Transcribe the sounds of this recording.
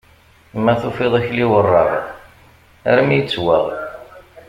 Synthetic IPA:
mːæθufeðˤæçliwərˤːɑʁ | æɾmijət͡sːwə̰ʁ

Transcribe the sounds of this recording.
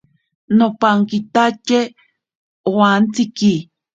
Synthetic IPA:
nopaŋkit̪at͡ʃe | owant͡siki

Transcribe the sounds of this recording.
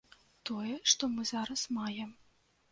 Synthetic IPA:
t̪ɔjɛʂt̪ɔmɨzaɾɐsmajɛm

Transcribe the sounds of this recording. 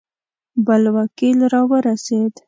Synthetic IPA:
bəlwakilɾɑwəɾased̪

